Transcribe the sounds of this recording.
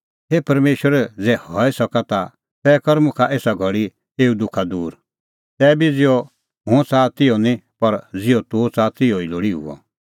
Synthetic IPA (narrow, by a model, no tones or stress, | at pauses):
ɦeːpɐɾmeːʃwəɾɛd͡zɛhɔːɛsɔkat̪a | t̪ɛːkɔɾmʊ̃kʰaʔeːsaɡʱɔɽi | eːud̪ʊkʰad̪uːɾ | t̪ɛːbid͡zɪjɔ | ɦʊ̃t͡saːt̪ɪɔnĩpɐɾd͡zɪɔt̪ot͡saːt̪ɪjoiloːɽiɦṵɔ̰